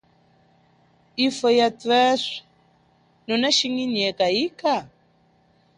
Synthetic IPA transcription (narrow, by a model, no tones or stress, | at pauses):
ifɔjatwɛʂɛ̥ | nɔnaʃiŋiɲɛkaika